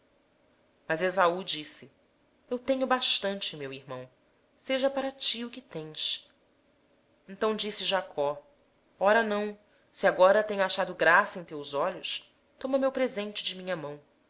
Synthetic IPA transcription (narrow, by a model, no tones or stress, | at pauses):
mɐzezaud͡ʒisɪ | ewt̪ẽɲʊbaʃt̪ɐ̃nt͡ʃɪmewihmɐ̃w̃ | seʒɐpaɾɐt͡ʃiʊkɪt̪ẽj̃s | ẽnt̪ɐ̃w̃d͡ʒisɪʒakʰɔ | ɔɾɐnɐ̃w̃ | siaɡɔɾɐt̪ẽɲʊaʃad̪ʊɡɾasɐẽj̃t̪ewzɔʎʊs | t̪õmɐmewpɾezẽnt͡ʃɪd͡ʒɪmĩɲɐmɐ̃w̃